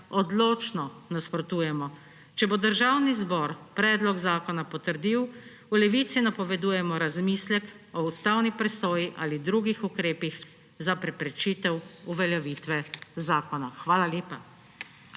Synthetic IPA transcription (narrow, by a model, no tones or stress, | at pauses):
ɔd̪loːt͡ʃnɔnaspɾɔt̪uːjɛmɔ | t͡ʃɛbod̪əɾʒawnizbɔːɾpɾɛːd̪lɔɡzaːkɔnapɔt̪əɾd̪iw | ulɛʋiːt̪sinapɔʋɛd̪uːjɛmɔɾazmiːslɛk | ɔust̪awnipɾɛsoːjiʔaːlid̪ɾuːɡixukɾeːpix | zapɾɛpɾɛt͡ʃit̪ɛwuʋɛljɛʋiːt̪ʋɛzaːkɔnaxʋaːlaljeːpa